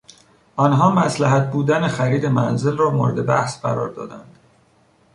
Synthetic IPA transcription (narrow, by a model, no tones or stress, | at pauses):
ʔɒːnɦɒːmæslæɦæt̪̚buːd̪ænexæɾiːd̪e̞mænzelrɒːmoːɾed̪e̞bæhsɢæ̰ɾɒ̰ːɾd̪ɒ̰ːd̪æ̰nd̪̥